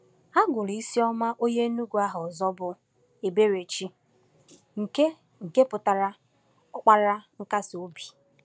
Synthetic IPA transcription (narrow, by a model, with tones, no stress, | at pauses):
a˦ɡʊ˨ɾi˨i˦si˦ɔ˦ma˦ʔo˦ɲe˦nu˦ɡu˨a˦ɦʊ˨zɔ˦bʊ˨ | e˨be˦ɾe˨t͡ʃi˦ | ŋ̩˨ke˦ | ŋ̩˨ke˦pʊ˨ta˨ɾa˦ | ɔ˦k͡pa˦ɾa˦ŋ̩˦ka˦sɪ˨o˦bi̥˨